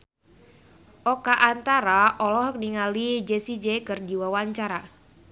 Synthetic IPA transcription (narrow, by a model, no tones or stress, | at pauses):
ʔɔkaʔːnt̪aɾaʔɔlɔhkniŋalid͡ʒesid͡ʒekɨrd͡ʒiwawaɲt͡ʃaɾa